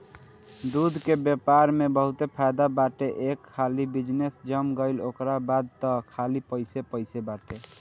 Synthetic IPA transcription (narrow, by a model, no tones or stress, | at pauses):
d̪ud̪ʱkebjepaɾmebəɦut̪epʰajd̪abaʈeʔekʰːalibid͡ʒnesd͡ʒəmɡəɪlokɾabad̪̚t̪ɔkʰalipəɪsepəɪsebaʈe